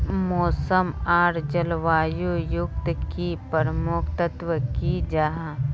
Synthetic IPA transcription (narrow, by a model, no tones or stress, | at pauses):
mɔːsəmaːɾd͡ʒəlʋaːjujʊk̚t̪kipəɾəmʊkʰt̪ət̪ʋəkid͡ʒaɦã